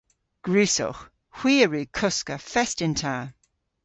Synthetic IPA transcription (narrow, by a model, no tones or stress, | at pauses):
ɡ̥ɹʉːsɔ̰x | hw̥iːəɹʉːkʰʊskəfɛstɪntʰaː